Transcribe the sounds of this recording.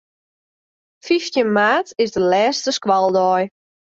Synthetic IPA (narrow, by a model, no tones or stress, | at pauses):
fiftjənmaːtɪsdəlɛːstəskwɔlˠdɔj